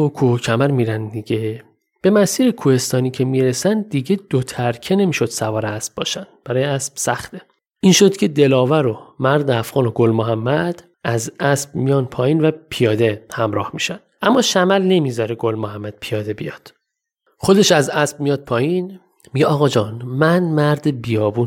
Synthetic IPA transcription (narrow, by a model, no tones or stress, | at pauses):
okʰuːcʰæmæɾmiːɾænd̪d̪iɟe | b̥e̞mæsiːɾekʰuːhe̞st̪ɒːniːcʰemiɾesænd̪iɟe̞d̪̥ot̪ʰæɾcʰene̞miːʃo̞d̪̥sævɒːɾeæsb̥bɒ̰ːʃænd̪b̥æɾɒːjeæsb̥sæxt̪e | iːnʃo̞d̪̥cʰe̞d̪e̞lɒːvæɾomæɾd̪eæfɣɒːno̞ɡolmoɦæmːæd̪̥ | ʔæzæsb̥mijɒːnpʰɒːjiːnvæpʰijɒːd̪e̞hæmɾɒ̰ːhmiːʃænd̥̪ʔæmːɒːʃæmælne̞mizɒːɾeɡo̞lmohæmːæd̪̥̚pʰijɒːd̪e̞bijɒ̰ːd̪̥ | χo̞d̪eʃæzæsb̥̚mijɒːd̪̥̚pʰɒːjin | miɟeɒːɣɒːd͡ʒɒːnmænmæɾd̪ebijɒːbuːn